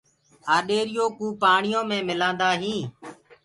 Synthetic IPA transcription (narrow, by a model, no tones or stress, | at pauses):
aːɗeːɾɪjoːkũːpaːɳɪjõːmẽːmɪlãːnd̪aːɦĩː